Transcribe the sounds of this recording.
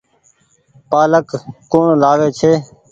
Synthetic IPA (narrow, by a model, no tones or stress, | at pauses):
paːləkkːoːɳlaːʋeːt͡ʃʰeː